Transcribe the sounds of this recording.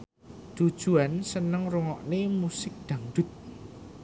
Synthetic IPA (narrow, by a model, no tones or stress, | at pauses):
d̪̥ud̥ʒ̥ṳansənəŋruŋɔʔnemusɪk̚d̪̥a̤ŋɖ̥̪ʊt̪̚